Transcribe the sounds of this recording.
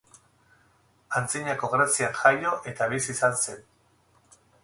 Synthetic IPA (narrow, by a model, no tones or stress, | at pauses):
ant͡siɲako̞ɣɾasianʝajo̞ʔe̞t̪aβisisanse̞n